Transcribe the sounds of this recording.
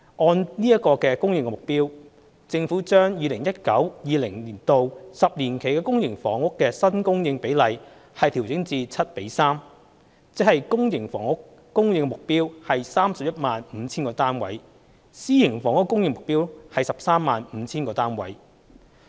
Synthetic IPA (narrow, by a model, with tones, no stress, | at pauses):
ʔɔː˧nniː˥ɐ˥kɔː˧kɛː˧kʊ˥ŋjɪ˧ŋkɛ˧mʊ˨k̚piː˥w | t͡sɪ˧ŋfuː˨˥t͡ʃœː˥ŋjiː˨˧lɪ˨˩ŋjɐ˥t̚kɐ˨˥wjiː˨lɪ˨˩ŋliː˨˩nt̪o˨wsɐ˨p̚liː˨˩nkʰe˨˩jkɛː˧kʊ˥ŋjɪ˨˩ŋfɔː˨˥ŋʊ˥kːɛː˧sɐ˥nkʊ˥ŋjɪ˧ŋpe˨˥jlɐ˨j | hɐ˨jt̪ʰi˨˩wt͡sɪ˨˥ŋt͡siː˧t͡sʰɐ˥t̚pe˨˥jsaː˥m | t͡sɪ˨˥hɐ˨jkʊ˥ŋjɪ˨˩ŋfɔ̰ː˨˩ŋʊ˥k | kʊ˥ŋjɪ˧ŋkɛ˧mʊ˨k̚piː˥whɐ˨jsaː˥msɐ˨p̚jɐ˥t̚maː˨nm̩ː˨˧˦t͡sʰːnkɔː˧t̪aː˥nwɐ̰˨˥j | siː˥jɪ˨˩ŋfɔː˨˥ŋʊ˥kːʊ˥ŋjɪ˧ŋmʊ˨k̚piː˥whɐ˨jsɐ˨p̚saː˥mːaː˨nm̩˨˧t͡sʰiː˥nkɔː˧t̪aː˥nwɐ̰˨˥j